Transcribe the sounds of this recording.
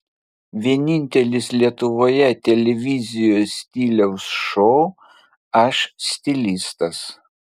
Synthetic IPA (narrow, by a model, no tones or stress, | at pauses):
ʋʲiɛnʲɪnʲt̪ʲɛlʲɪslʲiɛt̪ʊʋoːjɛt̪ʲɛlʲɛʋʲɪzʲɪjoːsʲsʲt̪ʲiːlʲɛʊsʃɔʊ | ɐʃsʲt̪ʲɪlʲɪst̪ɐs